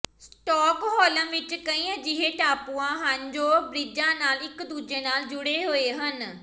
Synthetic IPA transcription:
sʈɔːkɦɔːlãːʋɪt͡ʃkəĩːãːd͡ʒɪɦeːʈaːpũːãːɦənd͡ʒoːbɾɪd͡ʒãːnaːlɪkd̪uːd͡ʒeːnaːld͡ʒʊɽeːɦoːeːɦən

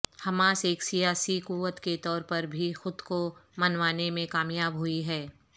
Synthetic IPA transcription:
hɐmãːseːksijaːsikuːʋət̪ket̪ɔːɾpɐɾbʱixʊd̪komɐnʋaːnemẽkaːmjaːbɦʊiɦɛː

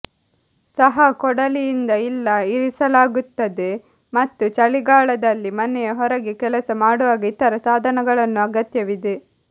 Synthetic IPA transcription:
sɐɦɐkɔɽɐlijind̪ɐilːɐiɾisɐlaːɡut̪ːɐd̪e̞ | mɐt̪ːut͡ʃɐliɡaːɭɐd̪ɐlːimɐnɛjɐɦɔɾɐɡekɛlɐsɐmaːɽuʋaːɡɐit̪ɐɾɐsaːd̪ʱɐnɐɡɐɭɐnːuɐɡɐt̪jɐʋid̪e̞

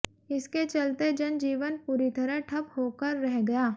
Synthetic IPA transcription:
ɪsket͡ʃɐlt̪ed͡ʒɐnd͡ʒiːʋənpuːɾit̪ɐɾəʈʰɐphoːkəɾːɛɦɡɐjaː

